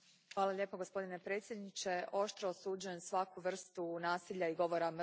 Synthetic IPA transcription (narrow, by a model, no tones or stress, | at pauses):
xʋaːlˠaʎʲe̞ːpoɡospo̞d̪ine̞pɾe̞ːt̪sjed̪nit͡ʃe̞ʔo̞ʃt̪ɾoosuːd͡ʒuje̞msʋakuʋr̩st̪unaːsiʎaiɡo̞ʋo̞ɾam